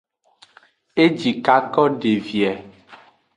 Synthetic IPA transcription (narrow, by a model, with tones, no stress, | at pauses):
e˦d͡ʒi˨ka˦kɔ˦ɖe˨vi˨ɛ˨